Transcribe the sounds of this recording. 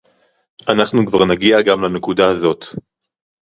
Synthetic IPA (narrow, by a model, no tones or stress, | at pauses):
ʔanaχnukvaʁnaɡiaɡamlanekudaazo̞t̪